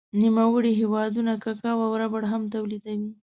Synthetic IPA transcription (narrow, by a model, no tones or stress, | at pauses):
nimawəɽiɦewɑd̪unakakɑwawɾabaɽɦamt̪awlid̪awi